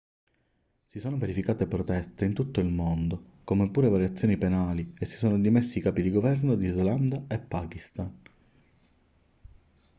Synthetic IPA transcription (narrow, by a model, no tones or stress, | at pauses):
sisoːnoveɾifikaːt̪epɾot̪ɛst̪eint̪ut̪ːoilmond̪o | komepːuːɾevaɾjat̪sːjoːnipenaːliesːi̥soːnod̪imesːikaːpid̪iɡovɛrnod̪izland̪aepːaːkist̪an